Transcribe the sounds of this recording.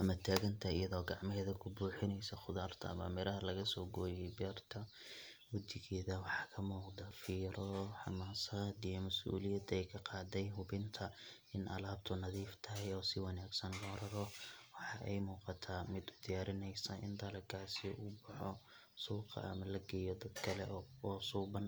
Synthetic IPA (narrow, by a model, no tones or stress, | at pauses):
ʔɐmɐt̪ʰaːɣɐnt̪ʰɐɪjɐðɔːɡɑʕmɪɦɛːðɐkʰʊbuːħɪnɛjsɐχʊðaːrt̪ʰɐ̰ɐ̰mɐ̰mɪɾɐɦɐlɐɣɐsɔːɡɔːjɛjbɛːrt̪ʰɐ | wɐd̪ɪɣɛːðɐwɑħɑːkʰɐmuːqd̪ɐfiːɾɔħɑ̰maːsaːd̪ijɔmɐsṵːlɪjɐd̪ɛjkʰɐqɑːd̪ɛjɦʊbɪnt̪ʰɐ | ɪnʔɐ̰laːb̚t̪ʰʊnɐðiːft̪ʰɐɦɛjɔːsɪwɑnaːɡsɐnlɔɾɐɾɔwɑħɑʔɛ̰jmuːqɑt̪ʰaːmɪd̪ʊd̪ijaːɾɪnɛjsɐʔɪ̰nd̪ɐlɐkʰaːsɪʊbɑħɔ | suːqʰɑ̰ɐmɐlɐɡɛjɔd̪ɐd̪kʰɐlɛɔːsuːbɐn